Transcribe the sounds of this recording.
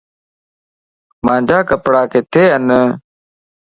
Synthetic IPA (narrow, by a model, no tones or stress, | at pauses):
mãːd͡ʑaːkəpɽaːket̪ʰeːɐnə